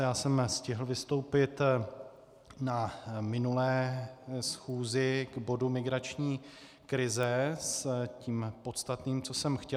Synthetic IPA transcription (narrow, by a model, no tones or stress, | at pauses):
jaːsɛmscɪɦl̩vɪst̪o̞wpɪt̪ | namɪnulɛːsxuːzɪɡbo̞dumɪɡɾat͡ʃɲiː | kɾɪzɛsciːmpo̞t̪st̪at̪niːmt͡so̞sɛmxcɛ